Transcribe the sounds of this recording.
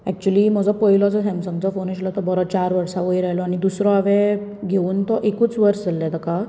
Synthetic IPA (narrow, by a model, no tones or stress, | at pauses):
ɛ̰k̚t͡ɕuəlim̤əd͡zɔpəjlɔd͡zəɦɛ̃msə̃ŋd͡zɔfonəɕlɔt̪ɔbəɾɔt͡ɕaɾʋəɾsaʋəjɾaɦlɔañid̪usɾɔaʋɛ̃ɡʱeuːnt̪ɔʔekuːt͡sʋəɾsd͡zʱalːad̪əka